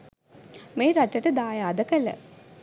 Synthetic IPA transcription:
meːɾaʈːɐʈəd̪aːjaːd̪ɐkɐlə̰

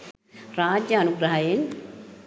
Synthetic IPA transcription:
ɾaːd͡ʒjɐːnuɡɾɐɦɐjɐŋ

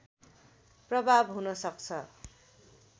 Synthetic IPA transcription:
prʌbʱabɦunʌsʌkt͡sʰʌ

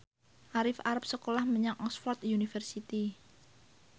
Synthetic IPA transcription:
ʔaɾɪfaɾap̚səkolahməɲaŋʔɔsfɔrt̪junifɛrsit̪i

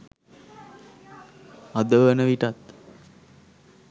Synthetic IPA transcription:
ad̪əʋənəʋiʈat̪

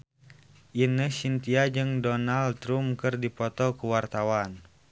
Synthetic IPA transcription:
ʔinəsint̪iad͡ʒɨŋdɔnalt̪ɾumkɨrdipɔt̪ɔkəwart̪awan

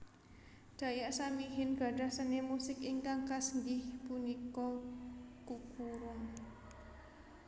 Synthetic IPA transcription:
d̪̥ä̤jaʔsamiɦɪnɡ̥ä̤ɖ̥a̤hsənemusɪkiŋkaŋkasəŋɡɪhpunikɔ | kukuɾʊŋ

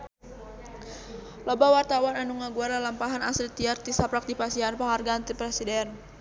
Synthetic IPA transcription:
lɔbawart̪awananuŋaɡuaɾalampaɦanaslit̪iart̪isapɾak̚d̪ipasianpaŋarɡaːnt̪ipɾɛsidɛn

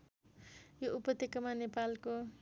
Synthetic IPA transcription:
joupʌt̪ekʌmanepalko

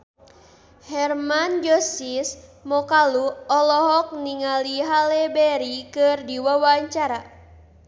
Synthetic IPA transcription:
hɛrmand͡ʒɔsismɔkaluɔlɔɦɔk̚niŋaliɦalɛbɛɾikɨrdiwawaɲt͡ʃaɾa

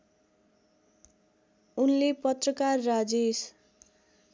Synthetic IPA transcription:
unlepʌt̪rʌkarːad͡zes

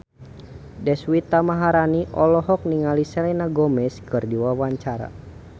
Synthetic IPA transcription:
dɛswit̪amaɦaɾaniʔɔlɔɦɔk̚niŋalisɛlɛnaɡɔmɛskɨrdiwawaɲt͡ʃaɾa̰

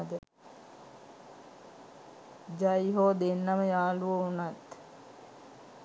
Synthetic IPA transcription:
d̪ə | d͡ʒajɦoːd̪enːaməjaːluʋəunat̪

